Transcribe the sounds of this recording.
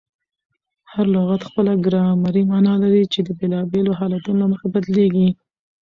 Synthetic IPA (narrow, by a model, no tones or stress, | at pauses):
haɾloɣat̪xpəlaɡɾɑmaɾimɑnɑlaɾit͡ʃed̪əbelɑbeloɦɑlat̪unolaməxebad̪leɡi